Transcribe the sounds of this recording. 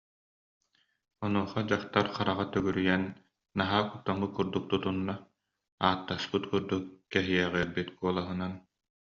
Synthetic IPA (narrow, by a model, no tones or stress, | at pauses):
ɔnuɔχɔd͡ʑaχt̪aɾχqaɾaʁat̪œɡyɾyjɛnː | aɦaːkut̪ːamːɯkuɾd̪uk̚t̪ut̪unːa | aːt̪ːaspɯt̪kuɾd̪ukːɛɦijɛʁɛɛɾbit̪kuɔlˠaɦɯnan